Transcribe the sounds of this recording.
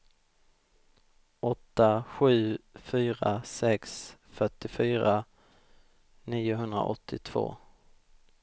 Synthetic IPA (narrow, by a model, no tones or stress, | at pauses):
ɔt̪ːaɧʉ̟ːfyːɾasɛksfœʈːɪfyːɾa | niːʊɦɵnd̪ɾa̰ʔɔt̪ʰːɪt̪ʰv̥o̰ː